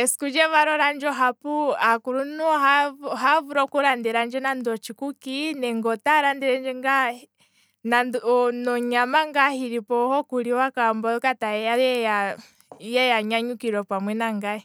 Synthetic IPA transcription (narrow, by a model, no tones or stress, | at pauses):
ɛskud͡ʒɛβaɾɔɾand͡ʒɔɦapuakuɾunuɦaɦavuɾɔkuɾandɛɾand͡ʒɛnandɔt͡ʃikukinɛŋɡɔtaɾandɛɾand͡ʒɛŋɡa | nandnɔɲamaŋɡahiɾipɔhɔkuliwakambɔkataɛaɛja | jɛjaɲaɲukiɾɔpamwɛnaŋɡaɛ